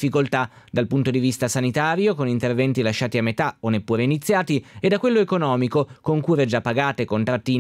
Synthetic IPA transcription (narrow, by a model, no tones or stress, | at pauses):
fːikolt̪a | d̪alpunt̪od̪ivist̪asanit̪aːɾjokonint̪ervɛnt̪ilaʃːaːt̪iamːet̪aonːepːuːɾeinit̪sːjaːt̪ied̪ːakwelːoekonɔːmikokoŋkuːɾed͡ʒapːaɡaːt̪ekont̪ɾat̪ːi